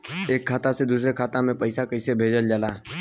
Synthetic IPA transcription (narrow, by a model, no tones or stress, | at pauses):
eːkʰːaːt̪ased̪uːsɾekʰaːt̪amẽpəɪsakəɪsebʱeːd͡ʒəld͡ʒalaː